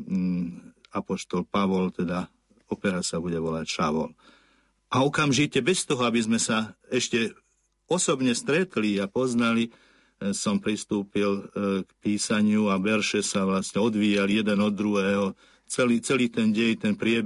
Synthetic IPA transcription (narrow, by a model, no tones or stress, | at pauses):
apɔʃt̪ɔlpaʋɔlt̪ɛd̪a | ɔpɛɾasabuɟɛʋɔlacʃaʋɔ̰l | ʔaɔkamʒicɛbɛst̪ɔɦɔabizmɛsaɛʃcɛ | ɔsɔbɲɛst̪ɾɛt̪liapɔznali | sɔmpɾist̪uːpilkpiːsaɲɪuaʋɛɾʃɛsaʋlasɲɛɔd̪ʋiːaljɛd̪ɛnɔd̪ːɾuɦɛːɦɔ | t͡sɛliːt͡sɛliːt̪ɛnɟɛɲt̪ɛnpɾɪɛb